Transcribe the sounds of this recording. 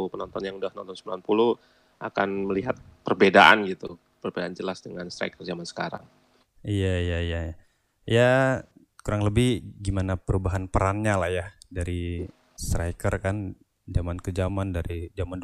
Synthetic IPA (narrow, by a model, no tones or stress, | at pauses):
pənɔnt̪ɔnjaŋudahnɔnt̪ɔnsəmbilanpuluh | ʔaka̰nməliɦat̪̚pərbedaʔa̰nɡit̪u | pərbedaːnd͡ʒəlasdəŋanst̪ɾa̰jkərzamansə̥kaɾa̰ŋ | ijaijaijaja | ja | kuɾaŋləbɪhɡimanapəɾubaɦanpəɾanɲalahjadaɾi | st̪ɾajkərkan | d͡ʒamankəd͡ʒamandaɾid͡ʒaman